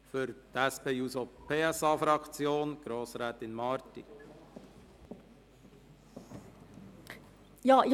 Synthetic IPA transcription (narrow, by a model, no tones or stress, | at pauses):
fʏɾtæspeːuːzopʰeːɛsɑːfɾɑkt͡sjoːnɡ̥ɾoːsɾɛːt̪ɪnmɑɾtḭ | jɑː